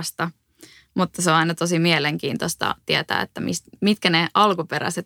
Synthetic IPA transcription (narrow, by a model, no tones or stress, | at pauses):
st̪ɑ | mut̪ːɑseoɑinɑt̪osimiɛleŋkiːnt̪ost̪ɑ̰t̪iæt̪æ̰ːet̪ːæmḭst̪mit̪kæneʔɑlkupeɾæ̰set̪